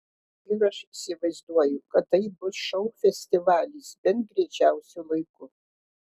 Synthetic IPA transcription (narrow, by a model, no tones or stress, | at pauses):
ɪɾɐʃɪsʲɪʋɐɪzd̪uɔjʊkɐt̪ːɐɪbʊsʃɐʊfʲɛsʲt̪ʲɪʋɑːlʲiːsbʲɛnt̪̚ɡɾʲɛt͡ʃʲæˑʊsʲʊlˠɐɪkʊ